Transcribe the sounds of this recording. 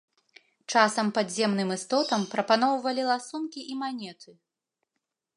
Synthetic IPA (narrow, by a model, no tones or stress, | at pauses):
t͡ʂasɐmpad̪zʲɛmnɨmɨst̪ɔt̪ɐmpɾɐpanɔwvɐlʲilˠasunkʲiʔimanʲɛt̪ʰɨ